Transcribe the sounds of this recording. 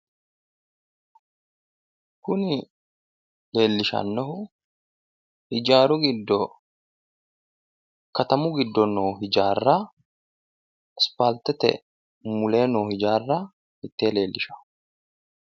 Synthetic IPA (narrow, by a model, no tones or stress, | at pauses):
kʊnɪ | le̞ːlːɪʃɐ̰nːɔhʊ | hɪd͡ʒaːɾʊɡɪd̪ːɔ | kɐt̪ɐmʊɡɪd̪ːɔnoːɦɪd͡ʒaːrːa | spaːlt̪ɛt̪ɛ̰ | mʊle̞ːnoːhɪd͡ʒaːrːa | mɪt̪ːe̞ːle̞ːlːɪʃɐ̥